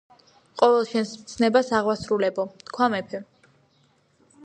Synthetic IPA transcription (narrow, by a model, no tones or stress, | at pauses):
qʼɔvɛlˠʃɛnsmt̪sʰnɛbasaʁwasɾulɛbɔt̪kʰwamɛpʰɛ